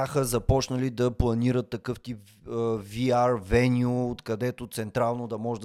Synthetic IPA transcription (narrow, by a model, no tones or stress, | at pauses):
axəzɐpɔt͡ʃnəlid̪ɐplˠɐniɾət̪ːɐkɤft̪ipː | viaɾvɛnʲʊːt̪kɐd̪ɛt̪ot̪sɛnt̪ɾalˠnod̪ɐmɔʒɛd̪